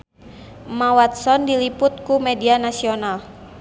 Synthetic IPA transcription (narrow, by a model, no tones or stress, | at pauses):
mawat̪̚sɔndilipʊt̪̚kumɛdianasional